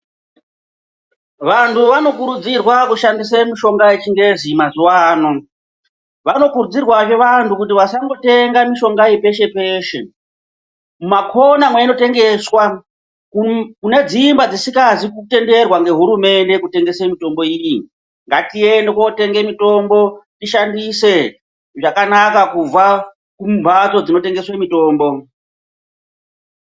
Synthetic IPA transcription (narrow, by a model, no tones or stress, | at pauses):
ʋantʰuʋano̞kuɾud͡zirwakuʃandisemiʃo̞ŋɡaet͡ʃiŋɡe̞zimazuwaːno | ʋano̞kuɾud͡zirwaʐe̞ʋantʰukutiʋasaŋɡo̞te̞ŋɡamiʃo̞ŋɡaipe̞ʃe̞pe̞ːʃe̞ | mumakʰo̞namweino̞te̞ŋɡe̞swa | kukune̞d͡zimbad͡zisikazikute̞nde̞rwaŋɡe̞ɦuɾume̞nde̞kute̞ŋɡe̞semito̞mbo̞iji | ŋɡatiendekote̞ŋɡe̞mito̞mbo̞tiʃandise̞ | ʐakanakakub͡va | kumbʱat͡so̞d͡zino̞te̞ŋɡe̞swemito̞ːmbo̞